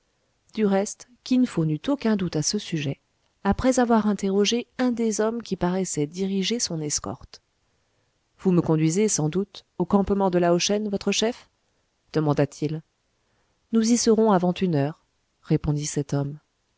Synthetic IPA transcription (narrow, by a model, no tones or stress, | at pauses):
d̪̥yʁɛst̪kʲinəfonyt̪okɛ̃d̪ut̪asəsyʒɛ | apχɛzavwaʁɛ̃t̪eʁɔʒeɛ̃d̪ezɔmkʲipaʁɛsɛd̪iʁiʒesɔ̃nɛskɔ̰ʁt̪ | vuməkɔ̃d̪ɥizesɑ̃d̪ut̪okɑ̃pmɑ̃d̪əlaoʃɛnvɔt̪χəʃɛf | d̪̥əmɑ̃d̪at̪ʰil | nuzisəʁɔ̃avɑ̃t̪ynœːʁː | epɔ̃d̪isɛt̪ɔm